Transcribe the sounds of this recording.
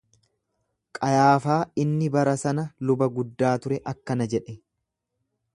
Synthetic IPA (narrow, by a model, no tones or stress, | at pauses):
kʼɐjaːfaːɪnːɪbɐɾɐsɐnɐlʊbɐɡʊd̪ːaːt̪ʊɾɛʔɐkːɐnɐd͡ʒɛᶑɛ